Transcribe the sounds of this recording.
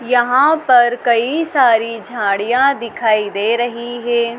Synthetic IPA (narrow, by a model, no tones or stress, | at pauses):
jɐɦãpɐɾkɐisaːɾid͡ʒʱãːɽijãd̪ɪkʰaːid̪eːɾɐɦiɦɛː